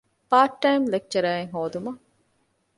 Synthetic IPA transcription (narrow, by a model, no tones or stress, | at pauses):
paːʈːɐjmlek̚t͡ʃɐɾaːeŋɦoːd̪umɐ